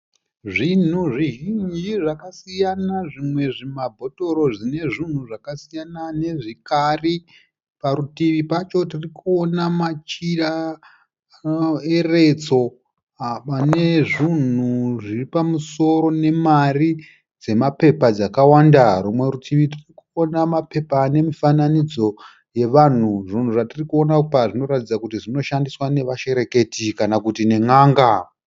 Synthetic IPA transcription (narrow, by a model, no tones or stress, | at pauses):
ʐin̤uʐiɦind͡ʒiʐakasijanaʐimwe̞ʐimabʱo̞to̞ɾo̞ʐine̞ʐin̤uʐakasijanane̞ʐikari | paɾutiʋipat͡ʃo̞tirikuonamat͡ʃira | e̞re̞t͡so̞ | pane̞ʐin̤uʐiripamuso̞ɾo̞ne̞mari | d͡ze̞mape̞pad͡zakawandaɾumwe̞ɾutʰiʋitirikuonamape̞pane̞mifananid͡zo̞ | je̞ʋan̤uʐin̤uʐatirikuo̞napaʐino̞ɾatid͡zakutiʐino̞ʃandiswane̞ʋaʃe̞ɾe̞ke̞tikanakutine̞ŋaːŋɡa